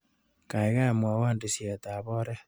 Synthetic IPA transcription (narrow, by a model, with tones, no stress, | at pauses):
ka˨iɣa˦˨mwa˨waː˦ndisja˨t̪a˨βɔɾe˦